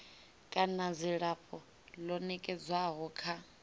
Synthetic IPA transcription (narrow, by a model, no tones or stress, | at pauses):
kʼanad͡ziɺaɸɔ | lɔnɛkʼɛd͡zwaɦɔkʰa